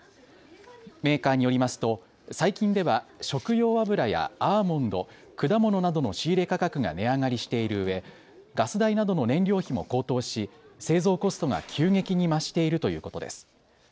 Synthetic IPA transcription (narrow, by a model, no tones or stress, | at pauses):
me̞ːkaːɲ̟ijo̞ɾʲimasɨ̥t̪o̞ | saikʲĩnd̪e̞βaɕo̞kɯ̟jo̞ːβabɯ̟ɾaja̰amõ̞nd̪o̞̰ | kɯ̟d̪amo̞no̞nad̪o̞no̞ɕiːɾe̞kakakɯ̟ɡa̰ne̞aŋaɾʲiɕi̥t̪e̞iɾɯ̟ɯ̟βe̞ | ɡasɨd̪ainad̪o̞no̞nẽ̞nɾʲo̞ːçimo̞̰ko̞ːt̪o̞ːɕise̞ːzo̞ːko̞sɨ̥t̪o̞ɡa̰kʲʰɨːŋe̞kʲiɲ̟imaɕi̥t̪e̞iɾɯ̟t̪o̞jɯ̟ːko̞t̪o̞d̪e̞̰sɨ̥